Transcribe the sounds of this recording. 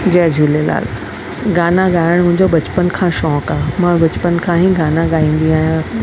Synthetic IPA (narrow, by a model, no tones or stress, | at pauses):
d͡ʑɛːd͡ʑʱuːlela̰ːl | ɡaːnaɡaːɪəɽ̃mʊ̃ɦɪ̃ɲ̆d͡ʑobɐt͡ɕpənkʰãːʃɔ̃ːkaːmãːbɐt͡ɕpənkʰãːɦĩɡaːnãɠaːĩːn̆d̪iaːɦjã